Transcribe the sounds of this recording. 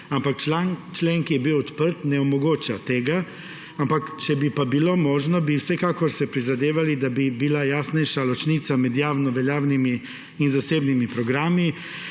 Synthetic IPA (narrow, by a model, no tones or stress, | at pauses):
ampakt͡ʃlat͡ʃleŋkijɛbiwɔt̪pəɾt̪nɛɔmɔɡoːt͡ʃat̪eːɡa | ampakt͡ʃɛbipabilomɔːʒnɔbiwsɛkaːkɔɾsɛpɾizad̪eːʋalid̪abibilajaːsnɛjʃalɔt͡ʃniːt̪samɛd̪jaːwnɔʋɛljaːwnimiː | nzaseːbnimipɾɔɡɾaːmi